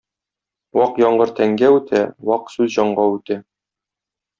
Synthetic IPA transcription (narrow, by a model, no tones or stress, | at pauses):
wɒqjɒɴɢɤɾt̪æŋɡæʉt̪ʰæwɒqsʉzʑɒɴɢɑʉt̪æ